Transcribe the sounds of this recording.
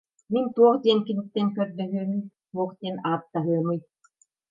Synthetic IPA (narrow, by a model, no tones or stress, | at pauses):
mint̪uɔχd̪iɛnkinit̪ːɛŋkœɾd̪œɦyːmyjt̪uɔχd̪iɛnaːt̪̚d̪aɦɯɐmɯj